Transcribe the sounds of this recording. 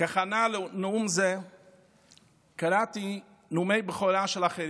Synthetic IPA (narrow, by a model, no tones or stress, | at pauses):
kaχanallumze | kaɾati | numejbeχoɾaʃelaχeɾi